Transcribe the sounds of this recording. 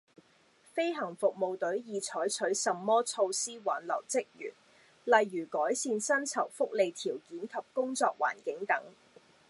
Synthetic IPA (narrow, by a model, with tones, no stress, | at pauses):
fe˥jɦɐ˨˩ŋfʊ˨k̚mo˨wt̪ɵ˨˥ɥjiː˨˧t͡sʰɔː˨˥jt͡ʃʰɵ˨˥ɥsɐ˨˧mːɔː˥t͡sʰo˧wsiː˥waː˨˥nlɐ̰˨˩wt͡sɪ˥k̚jy̰ː˨˩n | lɐ˨˧jːyː˨˩kɔː˨˥jsiː˧nsɐ˥nt͡sʰɐ˨˩wfʊ˥k̚le˨jt̪ʰiː˨˩wkiː˨˥nkʰɐ˨p̚kʊ˥ŋt͡sɔː˧k̚wa̰ː˨˩nkɪ˨˥ŋt̪ɐ˨˥ŋ